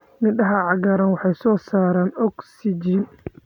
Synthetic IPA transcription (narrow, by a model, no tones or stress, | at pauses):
nɪɗɐɦɐʕɑɡaːɾɐnwɑħɑjsɔːsaːɾaːnɔksɪd͡ʒin